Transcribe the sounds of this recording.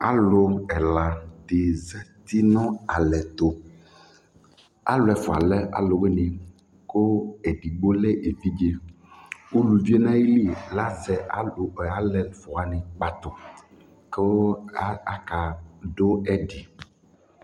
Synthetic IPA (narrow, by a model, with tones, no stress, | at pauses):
a̰˦lʊ˨ɛ˨la˨dɪ˨zɛ˦t̪i˦nɔ̃˦a˨lɛ˨t̪o˨ | a̰˦lʊ˨ɛ˨fʊ˨a̰˨lɛ˦a̰˨lo˨ɡ͡be˦nɪ̃˨ | ko˦e˨ɖi˨ɡ͡bo˦lɛ˦ʔe˨fi˦d͡ʒe˨ | u˦lu˨vi˦e˦nã˦ji˦li˦la˦sɛ˨ʔa̰˨lʊ˨a˦lɛ˨fʊ˨a˨nɪ˨k͡pa˦t̪ʊ˨ | ko˦ | a˨ka˨ɖo˦ɛ˦ɖi˨